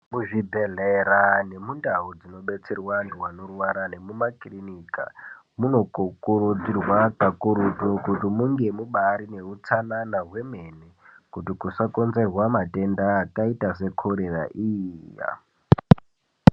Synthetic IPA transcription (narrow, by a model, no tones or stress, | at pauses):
muʐibʱeɮeɾane̞mundaud͡zino̞ɓe̞t͡serwandiwanorwaɾane̞mumaklinika̰ | muno̞kokuɾud͡zirwakakuɾutokutimuŋɡe̞muɓaɾine̞ut͡sananaɦwe̞me̞ne | kutikusako̞nze̞rwamate̞ndaːkaitase̞kʰoɾera̰ʔija̰